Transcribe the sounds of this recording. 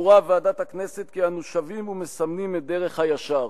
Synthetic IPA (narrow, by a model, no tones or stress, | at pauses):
uʁavaːdat̪hakne̞set̪kianuʃavimumesamnimede̞ʁe̞χhajaʃaʁ